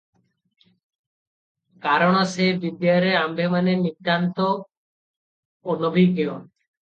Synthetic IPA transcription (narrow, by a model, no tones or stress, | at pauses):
kaɾɔɽ̃ɔsebid̪ːeɔɾeambemanenit̪ːant̪o | onɔbʱikeo̰n